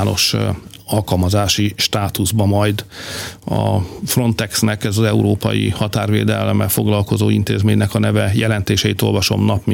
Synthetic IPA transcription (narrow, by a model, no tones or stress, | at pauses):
no̞̰ʃ | ɒlkɒlmɒzaːʃiʃt̪aːt̪uzbɒmɒjd̪ | ɒ̰fro̞nt̪ɛksnɛkɛzɒzɛuɾoːpɒ̰jḭhɒt̪aːrvḛːd̪ɛlmːɛlfo̞ɡlɒlko̞zoːint̪eːzmeːɲːɛkɒnɛvɛjɛlɛnt̪eːʃɛit̪o̞lvɒʃo̞̰mnɒpmi